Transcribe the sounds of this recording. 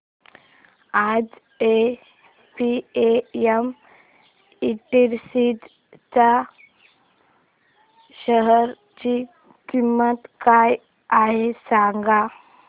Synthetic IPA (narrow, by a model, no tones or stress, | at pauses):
ad͡z | e | pieem | iʈiɾsit̪ | t͡sa | ɕəɦəɾ | t͡ɕi | kimːət̪kaj | aɦesaŋɡa